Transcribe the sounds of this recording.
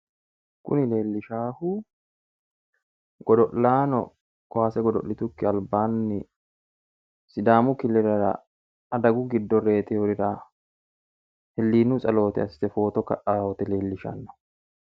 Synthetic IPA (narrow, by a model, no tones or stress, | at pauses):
kʊ̰nɪle̞ːlːɪʃaːhu | ɡ̥ɔd̪ɔʔlaːnɔ̰ | kɔwaːsɛɡɔd̪ɔ̰ʔlːɪt̪ʊkːɪɐlbaːnːɪ | sɪd̪aːmʊkɪlɛɾɐɾɐ̰ː | d̪ɐɡʊɡɪd̪ːɔɾe̞ːt̪ʼɪɔɾɪɾaː | hɛlːiːnːusʼɐlo̞ːt̪ɪɐsɪ̥sɛfo̞ːt̪ɔkɐ̰ʔaːhɔt̪ɛle̞ːlːɪʃɐ̰nːɔ̥